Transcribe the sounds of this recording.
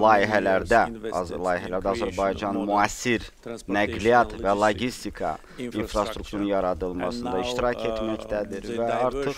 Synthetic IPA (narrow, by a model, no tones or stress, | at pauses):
lˠɑːiɦælæɾd̪ælˠɑːiɦælæɾd̪æɑzæɾbɑjd͡ʒɑnmuæsːiɾ | næɡlijɑt̪vælˠoɟist̪ikʰɑ̰ | infɾɑst̪ɾukt̪ʰuɾunjɑɾɑd̪ɯlˠmɑsɯnd̪ɑiʃt̪iɾɑcʰet̪mæct̪ʰæd̪iɾvæɑɾt̪ʰɯχ